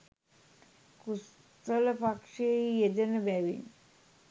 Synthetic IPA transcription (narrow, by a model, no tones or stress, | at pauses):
kus | t̪ələpakʂejed̪ənəbæʋḭn